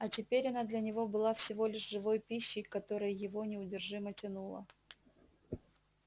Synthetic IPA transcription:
ɐtʲɪpʲeɾʲɐnad̪lʲɐnʲɪvo̞bɨlˠafsʲɪvo̞lʲɪʂʐɨvo̞jpʲiɕːɪjkɐt̪o̞ɾəjjɪvo̞nʲɪʊdʲɪrʐɨmətʲɪnulˠə̰

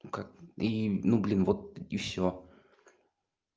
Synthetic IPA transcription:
kak̚inublʲinvɔt̪̚ifsʲo

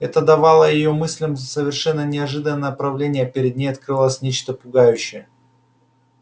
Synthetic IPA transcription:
ɛt̪əd̪ɐvɑlˠəjɪjomɨsʲlʲɪmzəsəvʲɪrʂɛnːənʲɪɐʐɨd̪ənːəjəpɾɐvlʲenʲɪjəpʲɪɾʲɪd̪̚nʲejɐt̪̚kɾɨlˠəsʲnʲet͡ɕt̪əpʊɡajʉɕːɪjə

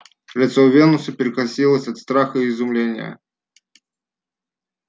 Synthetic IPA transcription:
lʲɪt̪sɔwvʲɛnusɐpʲɪɾɨkasʲilˠəsʲɐt̪st̪ɾaxɐiːzʊmlʲenʲɪjə̰

